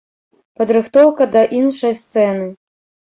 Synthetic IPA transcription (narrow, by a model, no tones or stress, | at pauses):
pɐd̪ɾɨxt̪ɔwkɐd̪ɐʔinʂɐjst̪sɛnɨ